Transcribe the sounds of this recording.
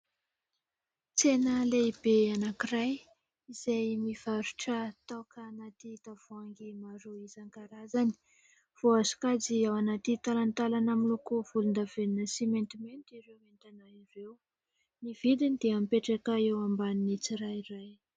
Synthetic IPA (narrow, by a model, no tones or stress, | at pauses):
t͡senəleibeanakiɾaj | izajmiv̥aɾuʈ͡ʂət̪akanat̪it̪av̥uaŋɡimaɾuizaŋɡaɾazani̥ | v̥oazu̥kaziawanat̪it̪alant̪alanamilokov̥ulund̪avennəsiment̪iment̪iɾewment̪anairew | nivid̪inid̪eampeʈ͡ʂakaewambaninit͡siɾajɾaj